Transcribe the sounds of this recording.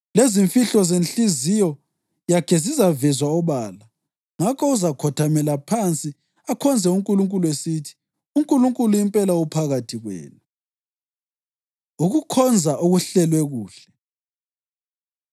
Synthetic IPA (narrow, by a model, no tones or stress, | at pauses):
leziɱfiɬɔzenɬizijɔ | jakʰɛzizavɛzwaɔβaːla | ŋakʰɔuzakʰɔtʰamɛlapʰant͡sʼi | akʰɔnd͡zʱɛuŋkʼuluŋkʼuluesitʰi̥ | uŋkʼuluŋkʼuluimpʼɛlaupʰaɣatʰiɣwɛ̰ːnu | uɣukʰɔnd͡zʱaʔuɣuɬɛlwɛɣuːɬɛ